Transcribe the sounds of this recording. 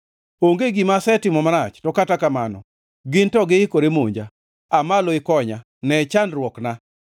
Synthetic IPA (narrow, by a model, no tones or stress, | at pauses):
oŋɡeɡimasɛtɪmɔmaɾat͡ʃtɔkatakamanɔ̰ | ɡɪntɔɡɪɪkoɾemoɲd͡ʒa | amaloɪkɔɲa | nɛt͡ʃandɾwɔkna